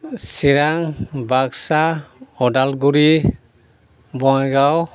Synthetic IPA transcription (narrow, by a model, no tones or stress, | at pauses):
siɾaŋbaksaɔdalɡuɾi | bɔŋɡaw